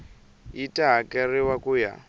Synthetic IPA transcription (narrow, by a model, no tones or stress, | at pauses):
itʼaɦakɛriwakuja̰